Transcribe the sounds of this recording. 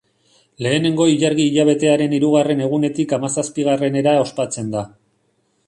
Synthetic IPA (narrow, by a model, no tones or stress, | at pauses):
le̞ːne̞ŋɡo̞iʎaɾɣiːʎaβ̞e̞t̪e̞aɾe̞niɾuɣare̞ne̞ɣ̞une̞t̪ikamasaspiɣ̞are̞ne̞ɾao̞spat͡se̞nd̪a